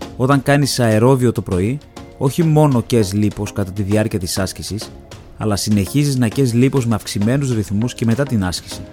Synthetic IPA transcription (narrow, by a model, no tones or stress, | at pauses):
o̞t̪ɐŋkɐnisɐe̞ɾo̞vio̞t̪o̞pɾo̞io̞çimo̞no̞ce̞zlipo̞skɐt̪ɐt̪iðiɐɾciɐt̪isɐscisis | ɐ̰lɐsine̞çiziznɐce̞zlipo̞zme̞ɐfksime̞nuzɾiθmusce̞me̞t̪ɐt̪inɐsci̥si